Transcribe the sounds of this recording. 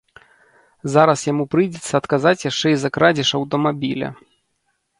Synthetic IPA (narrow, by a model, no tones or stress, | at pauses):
zaɾɐsjamupɾɨjd͡zʲɛt̪sːɐːt̪kazat͡sʲjaʂt͡ʂɛizɐkɾad͡zʲiʂɐwt̪ɔmabʲilʲɐ̰